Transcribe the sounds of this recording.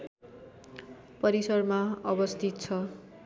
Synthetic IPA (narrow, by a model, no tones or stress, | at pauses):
pʌɾisʌrmaʌbʌst̪ʰit̪̚t͡sʰʌ